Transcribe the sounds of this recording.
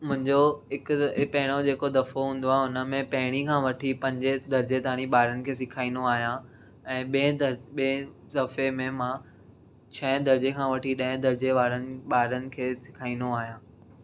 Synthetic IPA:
mʊ̃ɦɪ̃ɲd͡ʑoɪkpɐɦɪɽ̃od͡ʑeːkod̪ɐfoɦũːn̆d̪oaːɦeʊnəmẽpɐɦɪɽ̃ikʰãːʋɐʈʰipɐ̃ɲd͡ʑed̪ʱɐɾd͡ʑet̪aːɽ̃iɓaːɾənɪ̆kʰeːs̬ɪkʰaːĩːnd̪oaːɦjã | ɛ̃ːɓẽɓi | d̪ɐfemẽmãː | t͡ɕʰɐ̃ɦd̪ʱɐɾd͡ʑekʰãːʋɐʈʰiɗɐ̃ɦɪ̃d̪ʱɐɾd͡ʑeʋaːɾənɪ̆ɓaːɾənɪ̆kʰeːsɪ̥kʰaːĩnd̪oaːɦijãː

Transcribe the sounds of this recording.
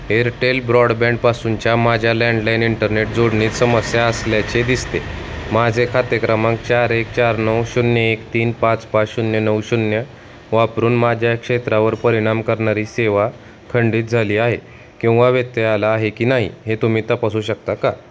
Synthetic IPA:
eɾʈelbɾɔɽbɛ̃ɳpasuɲt͡ɕjamad͡ʑʱjalɛ̃ɳɖlajniɳʈəɾneʈ̚d͡zoɽɳiːt̪səməsjaəsljat͡ɕed̪ist̪e | mad͡zʱekʰat̪jəkɾəmãŋk̚t͡ɕaɾek̚t͡ɕaɾnəwɕunjəekt̪iːnpãt͡spat͡sɕunjənəwɕunjə | ʋapɾuːnmad͡ʑʱjakʂet̪ɾaʋəɾpəɾiɽ̃amkəɾɳaɾiːseʋa | kʰəɳɖiːt̪̚d͡zʱaliːaɦḛ | kĩw̃ʋaʋet̪ːealaːɦekiːnaɦḭɦet̪um̤iːt̪apasuːɕək̚t̪aka

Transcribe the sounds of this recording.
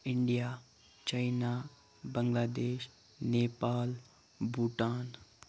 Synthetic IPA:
ɪɳɖijaː | t͡ʃaɪnaː | bəŋɡlaːd̪eːʃ | neːpaːl | bʱuʈaːn

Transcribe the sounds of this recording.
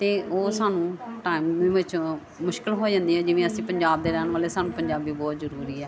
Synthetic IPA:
t̪eːʔoːsaːnũːʈaːɪimĩːʋɪt͡ʃ | mʊʃkɪlɦoːd͡ʒãːnd̪iːɦɛːd͡ʒɪʋẽːəsĩːpəɲd͡ʒaːbd̪eːɾɛːnʋaːleːsaːnũːpəɲd͡ʒaːbiːbɔːt̪zəɾuːɾiːɛː

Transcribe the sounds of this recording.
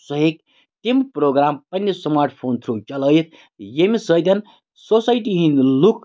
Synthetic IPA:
səɦek | t̪impɾoɡɾaːmpɐnːjesmaɾʈʰpʰoːnt̪ʰɾut͡ʃɐləjt̪̚ʰ | jemisəjt̪ɐn | sosajʈ̬iɦĩnluk

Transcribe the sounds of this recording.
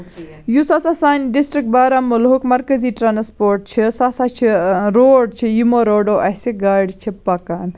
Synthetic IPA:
jusasasaːnɖisʈɾik̚ʈ̚baːɾamulɦukmɐɾkəziʈɾaːnspoːɾʈ̚t͡ʃʰisasat͡ʃʰiɾoːɖt͡ʃʰijimoɾoːɖoʔɐsiɡaːɾɖt͡ʃʰipɐkaːn

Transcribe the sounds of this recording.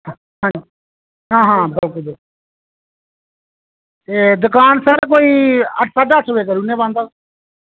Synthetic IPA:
ɦãːd͡ʒi | ɦãːɦãːbəlkʊlb | eːd̪ʊkaːnsəɾkoːiːəʈʰsaːɖaːəʈʰːʋeːkəɾuːnẽːbãːnd̪aː

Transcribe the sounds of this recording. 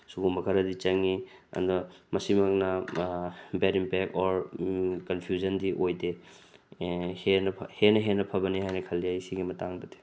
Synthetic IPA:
suɡuŋbɐkʰɐɾɐdit͡ʃɐŋiɐ̰ndɔmɐsimɐk̚nɐ | beɾimpek̚ɔɾkɐnpʰjuzɐndiʔojde | henɐhenɐɦenːɐpʰɐbɐnihajnɐkʰɐlːiajsiɡimɐtaŋdɐde̥

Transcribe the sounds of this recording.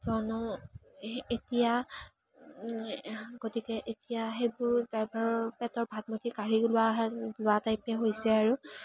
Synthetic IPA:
tɔnɔ | etija | ɡotikɛʔetijaɦejbʊɹdɹajbaɹɔɹpɛtɔɹbʱatmotikaɹiɡlʊwazlʊatajpɛɦojsɛaɹu

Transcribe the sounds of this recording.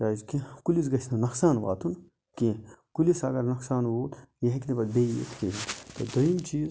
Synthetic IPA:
ɾaːzkĩkulis̬ɡɐsnɐnɐxsaːnʋa̰ːt̪ʰun | kẽkulisɐɡɐɾnɐksaːnʋoːt̪jɐɦkʲinibɐd̪beːjḛt̪ʰkeint̪od̪ɐimt͡ʃiːz

